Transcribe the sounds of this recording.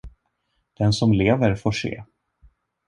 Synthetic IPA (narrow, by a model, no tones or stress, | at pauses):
d̪̥ɛnsɔmleːvəɾfoːʂḛː